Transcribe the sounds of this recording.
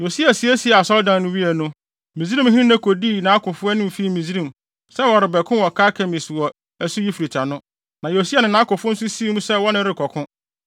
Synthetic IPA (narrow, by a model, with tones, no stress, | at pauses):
jo˨si˦a˨si˨˦æ˦si˨˦˨a˨sɔ˦ldã˨nnʊ̃˦ɥi˦ɛ˨nʊ̃˦ | mĩ˨zɾĩ˦m˦hĩ˦nĩ˦næ̃˦kʰo˨di˦˨nã˨˦kʰʊ̃˨fʊ˦ɛ˦nʊ̃˦m˨fi˦˨mĩ˨zi˦ɾĩ˨m | sɛ˦wɔ˨ɾɪ˨bɛ˨kʰʊ̃˦wɔ˨kʰaː˦kʰɛ̃˨mĩ˨sɪ˨wɔ˨ | æ˨su˦ji˦fi˨ɾi˨t͡ɕʰa˨nʊ̃˦ | nã˨jo˨si˦a˨nɪ̃˨nã˦kʊ̃˨fʊ̃˦n̩˦sʊ˦si˦i˦mũ˦sɛ˦wɔ˦nɪ̃˦ɾɪ˦kʰɔ˨kʰʊ̃˦